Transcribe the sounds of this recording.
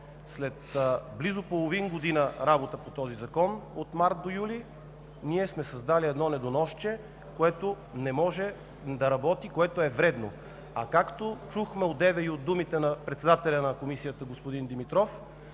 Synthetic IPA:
slɛt̪blizopolˠovinɡod̪inəɾabot̪əpot̪ɔzizɐkɔnot̪maɾt̪̚d̪ojuli | niɛsmɛsɐzd̪aliɛd̪nɔnɛd̪onɔʃt͡ʃɛ | koɛt̪o | nɛmɔʒɛ | d̪ɐɾɐbɔt̪ikoɛt̪oɛvɾɛd̪no | ɐkakt̪ot͡ʃuxmɛod̪d̪ɛvɛiod̪̚d̪umit̪ɛnɐpɾɛt̪sɛd̪at̪ɛlʲɐnɐkomisijət̪əɡospod̪ind̪imit̪ɾɔf

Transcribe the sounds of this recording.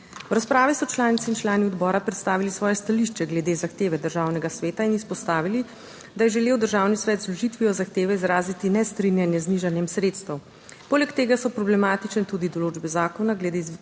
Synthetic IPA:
wɾaspɾaːʋisɔt͡ʃlaːnit̪iːnt͡ʃlaːniɔd̪bɔːɾapɾɛt̪st̪aːʋilisʋɔːjɛst̪aliʃt͡ʃɛɡlɛd̪eːzaxt̪eːʋɛd̪əɾʒaːwnɛɡasʋeːt̪ainispɔst̪aːʋili | d̪ajɛʒɛleːwd̪əɾʒaːwnisʋɛːt̪zlɔʒit̪ʋiɔzaxt̪eːʋɛizɾaːzit̪inɛst̪ɾinjanjɛzniʒanjɛmsɾeːt̪st̪ɐw | poːlɛkt̪eːɡasɔpɾɔblɛmaːt̪it͡ʃnɛt̪uːd̪id̪ɔloːd͡ʒbɛzaːkɔnaɡlɛd̪e

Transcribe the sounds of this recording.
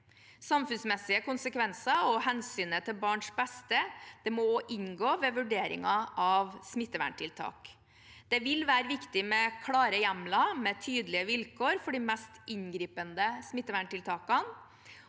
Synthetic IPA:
sɑmfʉnsmɛsɪəkʊnsəkʋɛnsɑɔhɛnsyːnət̪ʰɪlbɑːɳʂbɛst̪əd̪̥ɛmɔʔɪnɡoːʋɛʋʉɖeːɾɪ̰ŋɑʔɑʋsmɪt̪ːəʋæ̰ɳʈʰɪlt̪ʰɑ̰ːk | d̪̥ɛʋɪlʋæːɾəʋɪkt̪ɪmɛkʰlɑːɾəjæmlɑmɛt̪ʰyːd̪əlɪəʋɪlkʰoːɾfɔɖimɛst̪ʔɪnɡɾiːpənd̪əsmɪt̪ːəʋæɳʈɪlt̪ʰɑːkɑn

